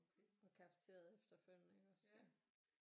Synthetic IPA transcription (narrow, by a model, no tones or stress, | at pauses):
ɒ̽kʰɑ̈ft͡sʰe̝̰ːɐð̩ˠefd̥ɐføl̰neɡ̥ɒsɒ